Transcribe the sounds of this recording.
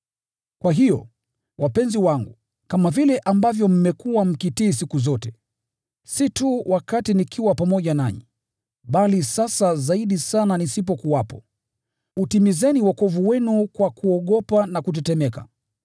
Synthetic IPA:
kwaɦijɔ̰ | wʔapɛnziwaŋɡu | kamavilɛʔambavjɔm̩mɛkuwam̩kitiːsikuzɔtɛ | situwʔakatinikʰiwapamɔʄanaɲḭ | ɓalisasazaiɗisananisip̬ɔkuwapɔ | utimizɛniwakɔvuwɛnukwakuɔɠɔpanakut̬ɛtɛmɛka̰

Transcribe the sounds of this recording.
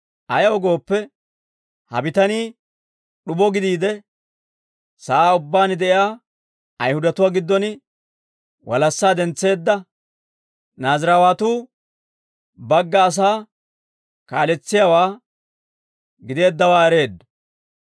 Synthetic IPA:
ʔɐjɐwɔɡo̞ːpːɛ | hɐ̰bɪt̪ɐniː | ɗʊbɔɡɪd̪iːd̪ɛ | saaːʊbːaːnɪd̪ɛʔɪjaː | ɐjhʊd̪ɐt̪ʊwaːɡɪd̪ːɔnɪ | wɐlɐsːaːd̪ɛnt͡sːe̞ːd̪ːɐ | naːzɾawaːt̪uː | bɐɡːɐːs̬aː | kaːlɛt͡sːɪjawaː | ɡɪd̪e̞ːd̪ːɐwaːɛɾe̞ːd̪

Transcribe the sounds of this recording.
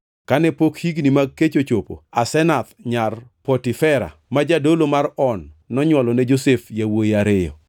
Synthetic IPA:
kanɛpokhiɡnimaɡ̚kːet͡ʃot͡ʃopo̰asɛnat̪ɲarpɔtifɛɾa̰mad͡ʒadolomaɾɔnːɔɲwɔlɔnɛd͡ʒosɛfjawojiaɾɪjɔ̰

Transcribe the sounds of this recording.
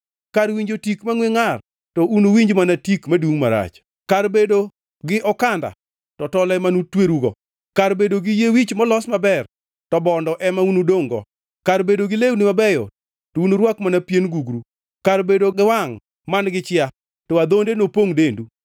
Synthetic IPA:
kaɾwiɲd͡ʒotikmaŋweŋar | tɔʔunuwiɲd͡ʒmanatikmaduŋmaɾa̰t͡ʃ | karbedo | ɡɪʔɔkanda̰ | tɔtɔlɛmanutweɾuɡɔ | kaɾbedoɡɪjewit͡ʃmɔlɔsmabɛr | tɔbɔndɔʔɛmaunudoŋɡɔ̰ | kaɾbedoɡɪlewnɪmabɛjɔ̰ | tounoɾwakmanapjenɡuɡɾu | kaɾbedoɡɪwaŋ | manɡɪt͡ʃɪa | tɔad̪ondenopoŋdendu

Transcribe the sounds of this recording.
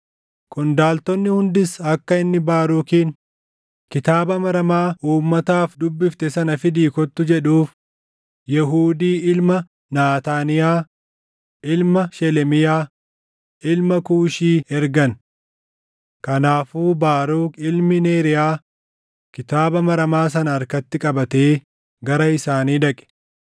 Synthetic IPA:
kʊnd̪aːlt̪ɔnːɪhʊnd̪ɪsɐkːɐɪnːɪbaːɾuːkiːn | kɪt̪aːbɐmɐɾɐmaːʔuːmːɐt̪aːfd̪ʊbːɪft̪ɛsɐnɐfɪd̪iːkɔt̪ːʊd͡ʒɛᶑuːf | jɛɦuːd̪iːʔɪlmɐ | naːt̪aːnɪjaː | ʔɪlmɐʃɛlɛmɪjaː | ʔɪlmɐkuːʃiːɛɾɡɐn | kɐnaːfuːbaːɾuːkɪlmɪneːɾɪjaː | kɪt̪aːbɐmɐɾɐmaːs̬ɐnɐːɾkɐt̪ːɪkʼɐbɐt̪eː | ɡɐɾɐɪsaːniːᶑ̪ɐkʼɛ̥

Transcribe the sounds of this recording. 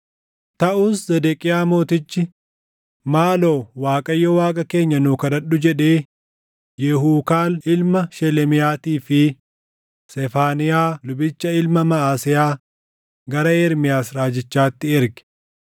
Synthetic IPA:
t̪ɐʔuːszɛd̪ɛkʼɪjaːmo̞ːt̪ɪt͡ʃːɪ | maːlo̞ːwaːkʼɐjːɔwaːkʼɐke̞ːɲːɐnuːkɐdɐɗʊd͡ʒɛᶑe̞ː | jɛɦuːkaːlɪlmɐʃɛlɛmɪjaːt̪iːfɪ | sɛfaːnɪjaːlʊbɪt͡ʃːɐɪlmɐmɐaːsɪjaː | ɡɐɾɐeːɾmɪjaːsɾaːd͡ʒɪt͡ʃːaːt̪ːɪɛɾɡɪ̥

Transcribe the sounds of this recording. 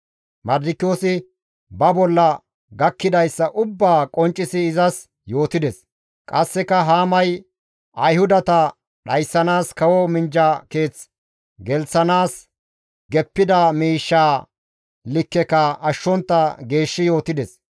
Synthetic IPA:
mɐɾd̪ɪkːɪjo̞ːsɪ | bɐbɔlːɐ | ɡɐkːɪd̪ɐjsːɐʔʊbːaːkʼɔnt͡ʃʼːɪsɪːzɐs | jo̞ːt̪ɪd̪ɛs | kʼɐsːɛkɐɦaːmɐj | ʔɐjhʊd̪ɐt̪ɐ | ɗɐjsːɐnaːskɐwɔmɪnd͡ʒake̞ːt͡s | ɡɛlt͡sːɐnaːs | ɡɛpːɪd̪ɐmiːʃːaː | lɪkːɛkɐʔɐʃːɔnt̪ːɐɡe̞ːʃːɪjo̞ːt̪ɪd̪ɛs

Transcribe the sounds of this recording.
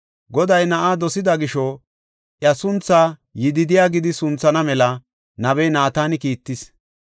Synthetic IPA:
ɡɔd̪ɐjnɐʔaːd̪ɔsɪd̪ɐɡɪʃɔ | ʔjɐsʊnt͡sːaːjɪd̪ɪd̪ɪjaːɡɪd̪ɪsʊnt͡sːɐnɐmɛlɐ | nɐβɛjnaːt̪aːnɪkiːt̪ːɪs

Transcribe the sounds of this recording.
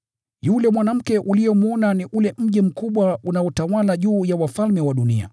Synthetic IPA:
julɛmwanam̩kɛʔulijɔmuɔnaniʔulɛm̩ʄim̩kuɓwaunaɔtawalaʄuːjawafalmɛwaɗunḭa̰

